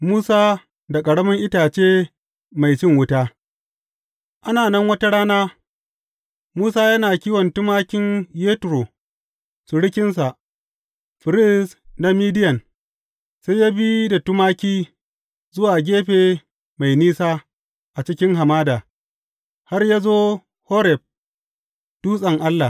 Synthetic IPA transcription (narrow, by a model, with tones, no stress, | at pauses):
muː˦saː˦ | da˨kʼɐ˨ɽɐ˦mɐ˦ŋʔɪ˦taː˨t͡ʃeː˦ | ma˨jt͡ʃɪ˦ŋwʊ˦taː˦ | ʔa˦naː˨nɐ˦ŋwɐ˦ta˦ɽaː˦naː˦ | muː˦saː˦jɐ˦naː˨kʲiː˦wɔ˨ntʊ˦maː˦kʲɪ˦ɲjeː˦tɾo˨ | su˨ɽɪ˦kʲɪ˦nsa˨ʔ | ɸɪ˨ɾɪ˦sna˦miː˦dɪ˦jɐ˨n | sa˦jjaː˦bi˦da˨tʊ˦maː˦kʲiː˦ | zʊ˦waː˨ɡʲeː˦ɸeː˨ | ma˨jniː˦saː˦ | ʔa˨t͡ʃɪ˦kʲɪ˦ŋɦa˨maː˦daː˨ | ha˦rjaː˦zoː˦ | ho˦ɾɛ˨b̚ | d̥uː˦sʼɐ˨ŋʔa˦lːa˨